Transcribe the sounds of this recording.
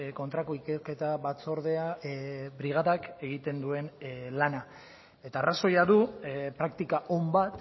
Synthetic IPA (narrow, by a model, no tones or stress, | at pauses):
ko̞nt̪ɾakoikeɾke̞t̪aβat͡so̞ɾðe̞aβɾiɣ̞aðake̞ɣit̪e̞nd̪ue̞nlana | e̞t̪aːraso̞jaðupɾakt̪ikaʔo̞mbat̪